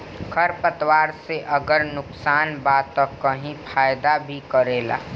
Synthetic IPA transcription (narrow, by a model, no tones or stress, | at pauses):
kʰəɾpət̪waːɾseʔəɡəɾnʊksaːnbaːt̪ːəkːəɦĩpʰaːjd̪abʱikəɾeːla̰ː